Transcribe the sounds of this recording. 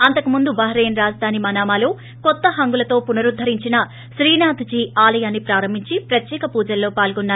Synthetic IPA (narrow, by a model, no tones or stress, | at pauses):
ɐnt̪ɐkumund̪ubɐɦɐɾeːnɾaːd͡ʒɐd̪ʱaːnimɐːnaːmaːlo̞ː | kɔt̪ːɐɦɐŋɡulɐt̪o̞ːpunɐɾud̪ʱːɐɾiɲt͡ʃinɐ | ʃɾiːnaːt̪ʰd͡ʒiːaːlɐjaːnːipɾaːɾɐmbʱiɲt͡ʃipɾɐt̪jɛːkɐpuːd͡ʒɐlːo̞ːpaːlɡɔnːaː